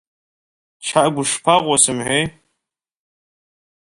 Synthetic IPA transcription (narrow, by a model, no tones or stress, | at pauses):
t͡ʃʰaʔɡʷʊʂpʰaʁʷɔsɨmħʷej